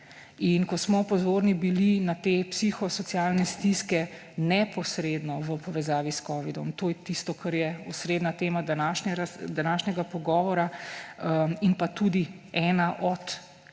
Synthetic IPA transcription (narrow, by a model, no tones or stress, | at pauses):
inkɔsmɔpɔzoːɾnibilinat̪eːpsixɔsɔt̪sijaːlnɛst̪iskɛ | nɛpɔsɾed̪nɔʋəpɔʋɛzaːʋiskɔːʋid̪ɔmt̪ojɛt̪ist̪ɔkʰɐɾjɛusɾed̪nat̪eːmad̪anaʃnɛɾad̪anaːʃnɛɡapɔɡɔːʋɔɾa | inpat̪ud̪iɛːnaʔɔt̪